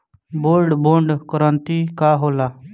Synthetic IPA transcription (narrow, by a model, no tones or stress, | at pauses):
boːlɖboːɳɖkəɾənt̪iːkaːɦoːlaː